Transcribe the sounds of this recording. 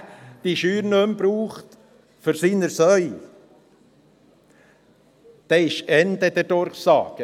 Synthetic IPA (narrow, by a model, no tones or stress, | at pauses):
d̥iʃyːɾnømbɾuːχt̪ | fɔɾsiːnəɾsœʏ | d̪̥ɛːɪʃɛnd̪əd̥̪ɛɾd̥ɔɾχsɑ̰ːɡ̥ə